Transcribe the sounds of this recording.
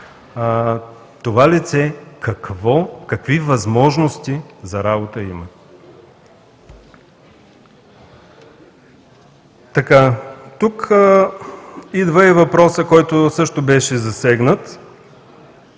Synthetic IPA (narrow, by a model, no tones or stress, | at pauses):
t̪ovalit̪sɛkɐkvɔkɐkvivɐzmɔʒnost̪izɐɾabot̪əimə | t̪ɐkat̪uk | id̪vəɛvɐpɾɔsəkɔjt̪osɤʃt̪ʊbɛʃɛzɐsɛɡnət̪